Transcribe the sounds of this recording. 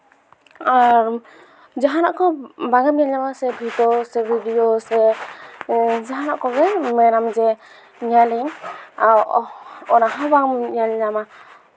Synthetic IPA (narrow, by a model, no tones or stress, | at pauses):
aɾ | d͡ʒaɦanaʔkɔbaɡamalamasɛbʱitɔsɛbʱidiosɛ | d͡ʒaɦanaʔkɔɡɛmɛnamd͡ʒɛ | ɲaliŋawɔnaɦabaŋalinama